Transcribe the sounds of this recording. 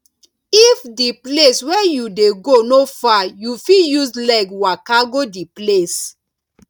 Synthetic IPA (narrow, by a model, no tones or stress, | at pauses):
ifdipleswɛjudeɡonofajufijuslakwakaɡodiples